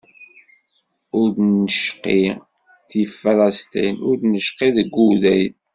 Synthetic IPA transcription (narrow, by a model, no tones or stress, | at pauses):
ʊɾd̪nəʃqi | θifælɑst̪ḭnʊɾdnəʃqiðəɡːuðæj